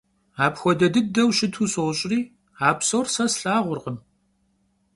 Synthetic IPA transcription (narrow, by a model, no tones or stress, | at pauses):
aːpxʷɔdɐdɨdɐwʃɪtʰuːsoɕʼɪriː | aːpsorsɐsɬaːʁʷʊrʁəm